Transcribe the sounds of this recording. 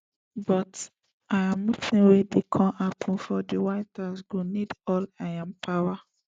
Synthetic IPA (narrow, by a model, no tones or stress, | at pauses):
bɔt | ajãmːut͡ʃĩwedekʰɔ̃mapʰɔ̃nfɔdiwaɪtʰasɡonidɔlajãmpʰawa